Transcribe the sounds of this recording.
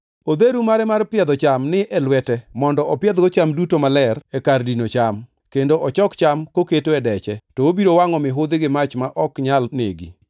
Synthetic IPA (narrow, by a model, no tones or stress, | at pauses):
od̪eɾumaɾɛmarpɪɛd̪ɔt͡ʃamnɪʔɛlwɛtɛmɔndɔʔɔpɪɛd̪̚ɡɔt͡ʃamdutomalɛrɛkardinot͡ʃam | kendoʔɔt͡ʃɔkt͡ʃamkoketoɛdɛt͡ʃɛtɔobiɾowaŋɔmɪɦʊd̪ɪɡɪmat͡ʃmaʔɔkɲalnḛɡḭ